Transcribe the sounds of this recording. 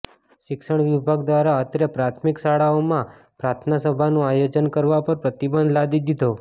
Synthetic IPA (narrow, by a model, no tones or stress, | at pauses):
ʃɪkʃəɳ̃ʋɪbʱaɡd̪ʋaɾaət̪ɾəpɾat̪ʰmɪkʃaɽaomã | pɾat̪ʰnasəbʱanũajod͡ʒənkəɾʋapəɾpɾət̪ibənd̪lad̪id̪id̪ʱo